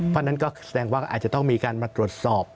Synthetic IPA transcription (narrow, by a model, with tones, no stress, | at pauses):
wʰa˧˥nːa˦˥nkɔː˥˩sa˧dɛː˧ŋwaː˥˩ʔaː˨˩t̪̚t͡ɕa˨˩t̪ɔ˥˩ŋmiː˧kaː˧nmaː˧t̪ɾu˨˩ət̪̚sɔː˨˩p̚